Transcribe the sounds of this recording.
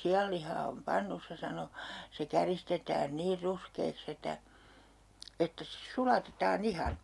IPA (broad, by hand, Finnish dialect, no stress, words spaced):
siɑlːihɑː om pɑnːusːɑ sɑno se kæristetˑæːn niːr ruskeːks etæ etːæ se sulɑtetɑːn ihɑn